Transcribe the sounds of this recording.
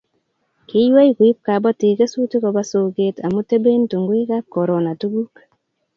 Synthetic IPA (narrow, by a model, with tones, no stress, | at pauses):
ki˦jwe˦jkwi˦p̚ka˨bɔ˦ti˨ke˦su˦ti˦kɔ˨ba˦so˨ɡetʰa˨mu˦te˦be˦ntu˨ŋɡwi˦ka˦kːɔ˨ɾo˨na˨tu˦ɡu˦k